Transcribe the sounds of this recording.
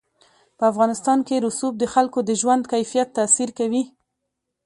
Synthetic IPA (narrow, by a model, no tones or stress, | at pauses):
pəafɣɑnɪst̪ɑnkeɾʊsub̚d̪əxalkod̪əʒwand̪kajfijat̪ːasiɾkawi